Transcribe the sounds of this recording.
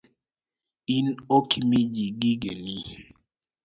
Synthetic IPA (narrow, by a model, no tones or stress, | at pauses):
inokimid͡ʒiɡiɡeni